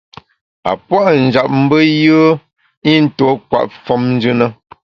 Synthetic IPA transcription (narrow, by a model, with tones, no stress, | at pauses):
a̰˨pwa˦ʔn̩˨d͡ʒa˨p̚m̩˦bə˦jə˦ | i˦n̩˦to˨˦kwa̰˨ʔfɔ˦mn̩˦d͡ʒʉ˦nə˦